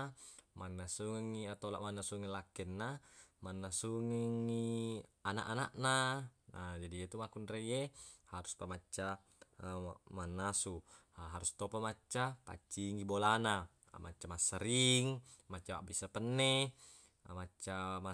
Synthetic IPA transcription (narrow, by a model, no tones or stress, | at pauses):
manːasuŋiŋːiat̪ola̰ʔmanːasuŋilakːɛnːamanːasuŋiŋːiana̰ʔana̰ʔna | d͡ʒadijet̪umakunrejehaɾuspamat͡ʃːa | manːasu | ɦaɾust̪opamat͡ʃːapa̰t͡ʃːiŋɡibolana̰ | mat͡ʃːamasːaɾiŋ | mat͡ʃːawaʔbisapənːe | mat͡ʃːama